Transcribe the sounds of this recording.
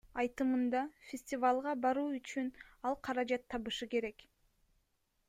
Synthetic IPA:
ɑjt̪ɯmɯnd̪ɑfʲɪsʲtʲɪvalˠʁɑbɑɾuːyt͡ʃynɑlˠqʰɑɾɑd͡ʒɑt̪ʰːɑβɯʃɯke̞ɾe̞k

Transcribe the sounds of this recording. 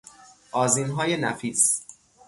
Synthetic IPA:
ʔɒːzinɦɒːje̞næ̰fiːs

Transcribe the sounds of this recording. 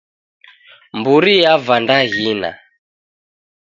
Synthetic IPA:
mbuɾijavandaɣina̰

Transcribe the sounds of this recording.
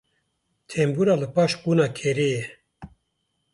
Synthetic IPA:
t̪ʰembuːɾaːlɨpɑːʃkunaːkʰeɾeːjɛ

